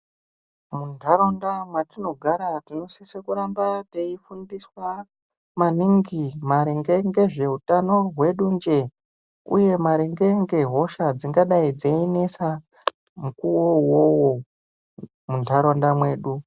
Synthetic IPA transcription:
mundʱaɾo̞ndamwatino̞ɡʱaɾatino̞sisekuɾambateifundiswa | maniŋɡimaɾiŋɡe̞ŋɡe̞ʐe̞utano̞ɦwe̞ɗund͡ʒe̞ | ṵje̞maɾiŋɡe̞ŋɡe̞ɦo̞ʃad͡ziŋɡaɗaid͡zeinesa | mukuwowowo | mundʱaɾo̞ndamwe̞ːɗu

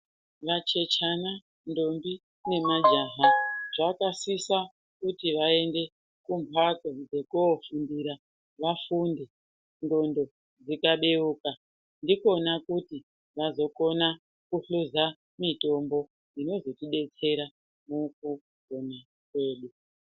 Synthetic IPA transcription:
ʋat͡ʃe̞t͡ʃana | ndo̞mbi | ne̞mad͡ʒaːɦaʐakasisa | kutiʋae̞nde̞ | kumpʰakod͡ze̞kofundiɾa | ʋafunde | ndo̞ndo̞ | d͡zikaɓeuːka | ndiko̞nakuti | ʋazo̞ko̞na | kuɬuza | mito̞mbo̞ | ino̞zo̞tiɓe̞t͡se̞ɾa | mok̚u | kona | kwe̞ːɗu

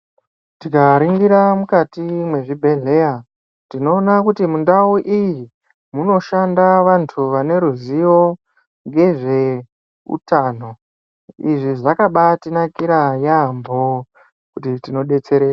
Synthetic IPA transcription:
tikaɾiŋɡiɾamukatimwe̞ʐibʱe̞ɮe̞ja | tino̞ːnakutimundauʔiji | muno̞ʃandaʋantʰuʋane̞ɾuzijo̞ | ŋɡe̞ʐe̞ | ṵtaːno̞ | iʐiʐakaɓatinakiɾajambo̞ | kutitino̞ɗe̞t͡se̞ɾeːra

